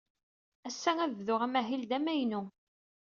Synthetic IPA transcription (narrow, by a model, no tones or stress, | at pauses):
æsːæŋæðvðʊʁæmæɦild̪æmæjnʊ